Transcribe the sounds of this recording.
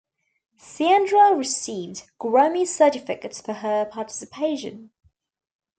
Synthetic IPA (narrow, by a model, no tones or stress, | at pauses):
siæ̃ndɹəɹɪsiːvdɡ̥ɹəʊmi̥səɜˑtɪfɪkətsfəəpʰɑˑtɪ̥sɪpʰeɪʃə̰̃n